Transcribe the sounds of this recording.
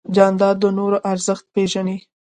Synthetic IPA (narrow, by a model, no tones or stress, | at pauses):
d͡ʒɑnd̪ɑd̪ənoɾoʔaɾzəxt̪̚peʒani